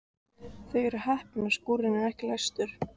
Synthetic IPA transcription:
θœjɛɾʏhɛhpɪnaskuːɾɪnɛɾɛhcɪlajst̪ʏɾ̥

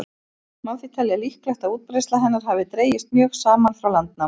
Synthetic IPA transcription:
maðfit̪ʰaːlialihklɛxt̪auːt̪̚pɾejst̪laɦɛnːaɾ̥ɦavɪt̪ɾeːjɪst̪̚mjœːxsaːmanfɾawlant̪na

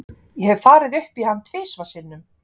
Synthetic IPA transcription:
jɛhɛvfaːɾɪðʏhpihanːt̪ʰveːsvasɪnːʏm

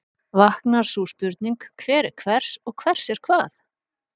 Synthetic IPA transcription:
vahknaɾ̥suːspʏɾt̪̚niŋkkʰvɛːɾɪkʰvɛr̥sɔɣkʰvɛr̥sjɛɾ̥kʰvaːθ

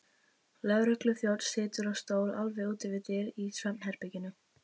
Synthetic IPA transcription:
lœɣɾʏhklʏθjowt̪sɪːt̪ʏɾawst̪oːwɾʔalvɛuːt̪ɪvɪt̪ɛɾisvɛmnhɛɾpɪcɪnʏ

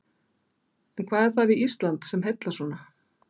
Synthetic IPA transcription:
ɛnkʰvaːðɛɾ̥θaðviist̪lant̪sɛmɦet̪lasɔːna

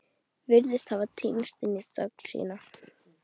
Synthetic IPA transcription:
vɪɾðɪst̪havat̪ʰiːmst̪ɪnːɪsœ̰kl̥sḭːna

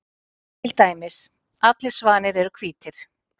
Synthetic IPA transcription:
t̪ʰɪlt̪aːjmɪs | at̪lɪɾ̥svaːnɪɾɛɾʏkʰviːt̪ɪɾ̥

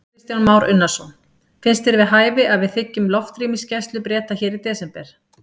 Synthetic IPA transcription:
ɪst̪janmaːwɾʔʏnːasɔn | fɪnst̪ɪɾvɪðɦaːjvɪʔaðvɪðθɪcːʏmlɔft̪ɾiːmɪscɛst̪lʏpɾjɛːt̪açɛːɾit̪ɛːsɛmpɛɾ̥

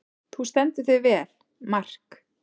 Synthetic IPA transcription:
θust̪ɛnt̪ʏθɪðvɛːl | mar̥k

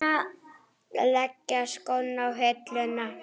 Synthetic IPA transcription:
a̰ | lɛkːaskownːawɦet̪lʏnːa

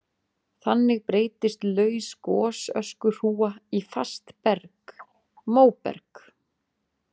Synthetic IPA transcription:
θanːɪɣpɾeːjt̪ɪst̪lœːɥskɔːsœ̰skʏr̥uːaifa̰st̪pɛɾk | moːwpɛ̰ɾk

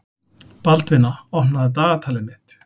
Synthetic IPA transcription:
palt̪vɪnːaɔhnaðɪt̪aːɣat̪ʰaːlɪnmɪt̪

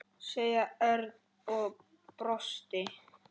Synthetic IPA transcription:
seːjaœɾð | ɔɣ | pɾɔst̪ɪ

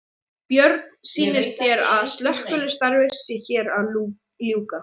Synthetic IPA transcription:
pjœɾt̪nsiːnɪst̪çɛɾa̰ðst̪lœhkʏlɪst̪aɾvɪ̥sɪçɛːɾað | ljuːka

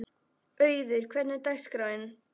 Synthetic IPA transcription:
œɥðʏɾ̥kʰvɛt̪nɪt̪ajskɾajn

